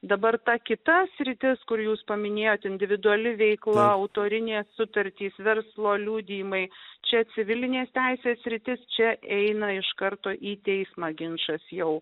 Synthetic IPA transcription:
d̪ɐbɐrt̪ɐkʲɪt̪ɐsʲɾʲɪt̪ʲɪskʊɾjuːspɐmʲɪnʲeːjoːt̪ʲɪnʲd̪ʲɪʋʲɪd̪ʊɐlʲɪʋʲɛɪklˠɐɐʊt̪oːɾʲɪnʲeːssʊt̪ɐɾʲt̪ʲiːsʋʲɛɾslˠoːlʲuːd̪ʲiːmɐɪt͡ʃʲɛsʲɪʋʲɪlʲɪnʲeːst̪ʲɛɪsʲeːsʲsʲɾʲɪt̪ʲɪst͡ʃʲɛʔɛɪnɐɪʃkɐɾt̪oːʔiːt̪ʲɛɪsmɑːɡʲɪnʃɐsjɛʊ

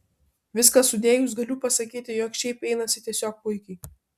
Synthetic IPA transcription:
ʋʲɪskɐsʊd̪ʲeːjuˑs̬ɡɐlʲupɐsɐkʲiːt̪ʲɪjoːkʃʲɛɪpɛɪnɐsʲɪt̪ʲiɛsʲoːk̚pʊɪkʲɛɪ

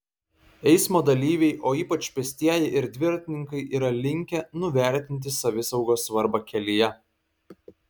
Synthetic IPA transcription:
ɛɪsmoːd̪ɐlʲiːʋʲɛɪʔoːiːpɐt͡ʃʲpʲɛsʲt̪ʲiɛjɛʔɪɾd̪ʲʋʲɪɾt̪ʲɪnʲɪŋkɐɪʔiːɾɐlʲɪŋʲkʲɛnʊʋʲæˑɾʲt̪ʲɪnʲt̪̬ʲɪsɐʋʲɪsɐʊɡoːsʋɐɾbɐkʲɛlʲɪjɛ

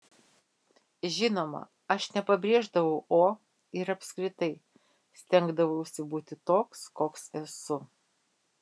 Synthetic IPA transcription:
ʒʲɪnoːmɐ̰ | ɐʃnʲɛpɐbʲɾʲeːʒd̪ɐʋɐʊʔoː | ɪɾɐpʲskɾʲɪt̪ɐɪ | sʲt̪ʲɛŋɡd̪ɐʋɐʊɪʃʲsʲɪbuːt̪ʲɪt̪oːkskoːksɛsʊ

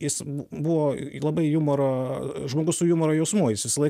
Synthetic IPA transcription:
jɪsbʊbʊʋoːlˠɐbɐɪjʊmoɾoʒmoːɡʊssʊjʊmoɾojɛʊsmujɪsʋʲɪsɐlˠɐɪ

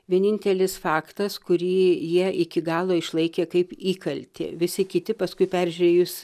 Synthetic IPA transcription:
ʋʲiɛnʲɪnʲt̪ʲɛlʲɪsfɑːkt̪ɐskʊɾʲiːjiɛʔɪkʲɪɡɑːlˠoːɪʃlˠɐɪkʲeːkɐɪpiːkɐlʲt̪ʲɪ̰ʋʲɪsʲɪkʲɪt̪ʲɪpɐskʊɪpʲæɾʲʒʲʉɾʲeːjʊs

